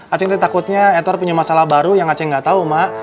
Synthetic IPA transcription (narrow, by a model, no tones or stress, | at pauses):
at͡ʃɛŋt̪at̪akʊt̪̚ɲaɛt̪ɔrpuɲamasalahbaɾujaŋat͡ʃɛŋɡat̪aumaʔ